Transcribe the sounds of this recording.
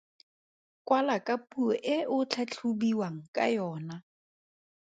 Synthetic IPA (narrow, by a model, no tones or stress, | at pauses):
kʼwalakʼapʼuɔʔɪʔʊt͡ɬʰat͡ɬʰubiwaŋ̩kʼa̰jɔːna